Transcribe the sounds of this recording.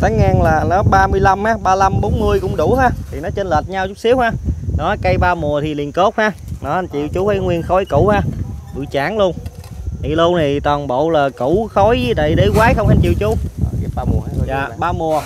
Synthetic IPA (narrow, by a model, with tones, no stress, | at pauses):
t̪ʰaː˨˦ŋːaː˧nlaː˨˩nɔ˨˦ɓaː˧mɨ˧əjla˧mhaː˨˦ɓaː˧la˧mɓo˨˦nmɨ˧əjkʊ̰˧˥ŋ͡mɗʊ˧˩haː˧˩t̪ʰi˨˩nɔ˨˦t͡ɕə˧nlə˨˩t̚ɲa˧wt͡ɕʊ˦˥k͡p̚si˨˦əwhaː˧˩nɔ˨˦kə˧jɓaː˧mu˨˩ət̪ʰi˨˩li˨˩ənko˦˥t̚haː˧nɔ˨˦ʔa˧nt͡ɕḭ˧˨əwt͡ɕu˨˦hə˨˦jŋwi˧ənxɔ˨˦jkʊ̰˧˩˨haː˧˩ɓɨ̰˧˨t͡ɕaː˧˥˦nlu˧ənt̪ḭ˨˩lu˧ənʰi˨˩t̪waː˨˩nɓo̰˧˨wlaː˨˩kṵ˧˥xɔ˨˦ji˨˦t̪a̰˧˨jɗe˧˦kwaː˨˦jxə˧wŋ͡mʔa˧nt͡ɕḭ˧˨əwt͡ɕʊ˨˦˨ | ja̰ː˨ɓaː˧mu˨˩ə